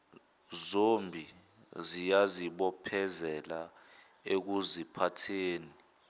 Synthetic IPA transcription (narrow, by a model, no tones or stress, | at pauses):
zombʱi | zijaziɓɔpʰɛzɛla | ek̬uzipʰatʰeːni